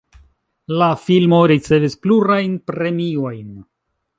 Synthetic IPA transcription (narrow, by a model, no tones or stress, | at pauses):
lafilmo̞ɾit͡se̞vispluɾajnpɾe̞mio̞jn